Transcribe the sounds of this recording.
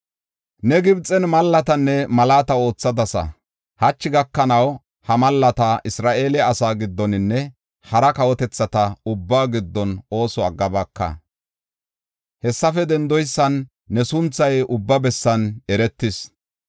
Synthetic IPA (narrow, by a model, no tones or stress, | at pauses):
nɛɡɪbt͡sʼːɛnmɐlːɐt̪ɐnːɛmɐlaːt̪ɐo̞ːt͡sːɐd̪ɐsɐ̰ | hɐt͡ʃːɪɡɐkːɐnɐw | hɐmɐlːɐt̪ɐʔɪsɾaːʔe̞ːlɪɐsaːɡɪd̪ːɔnɪnːɛ | hɐɾɐkɐwɔt̪ɛt͡sːɐt̪ɐʊbːaːɡɪd̪ːɔno̞ːsɔɐɡːɐbɐkːɐ̰ | hɛsːɐfɛd̪ɛnd̪ɔjsːɐnː | ɛsʊnt͡sːɐjʊbːɐbɛsːɐnɛɾɛt̪ːɪs